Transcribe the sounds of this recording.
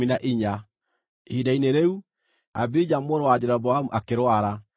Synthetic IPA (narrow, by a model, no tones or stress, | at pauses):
inaʔiɲa | idaineɾeu | a̰bid͡ʑamoɾowad͡ʑeɾabɔamuʔakeɾwaɾa